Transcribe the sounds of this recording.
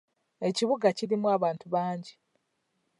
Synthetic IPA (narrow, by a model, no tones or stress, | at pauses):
e̞ciβuɡaciɾimuaβaːntuβaːɲɟi